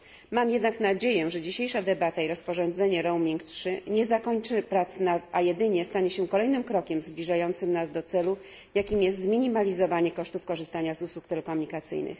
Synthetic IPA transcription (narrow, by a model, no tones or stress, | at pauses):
mamjɛd̪naknad͡ʑejɛ̃ʐɛd͡ʑiɕejʂad̪ɛbat̪aiɾɔspɔʐɔnd̪zɛɲɛɾɔwmʲiŋktʂɘɲɛzakɔɲt͡ʂɘpɾat̪snat̪ajɛd̪ɘɲɛst̪aɲɛɕɛkɔlɛjnɘmkɾɔkʲɛmzblʲiʐajɔnt̪sɘmnazd̪ɔt̪sɛlu | jakʲimjɛst̪zmʲiɲimalʲizɔvaɲɛkɔʂt̪ufkɔʐɘst̪aɲazuswukt̪ɛlɛkɔmuɲikat̪sɘ̰jnɘ̰x